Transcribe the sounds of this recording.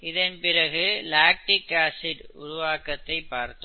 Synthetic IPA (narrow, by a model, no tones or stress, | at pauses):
ɪðɐnpɪrɐɣɯlaːk̚ʈɪkaːsɪɖʊɾʊʋaːkɐt̪ːɐɪpːaːɾt̪ɯ